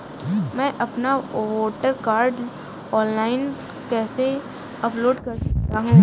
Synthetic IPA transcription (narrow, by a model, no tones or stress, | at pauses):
mɛ̃ːʔɐpnaʋoːʈəɾkaːɾɖ | ɔːnlaːɪn | kɛːse | ɐploːɖkɐɾsɐkt̪aɦũː